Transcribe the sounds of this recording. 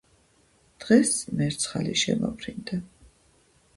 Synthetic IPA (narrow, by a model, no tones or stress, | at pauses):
d̪̥ʁɛsmɛɾt̪sʰχaliʃɛma̰bɾind̪a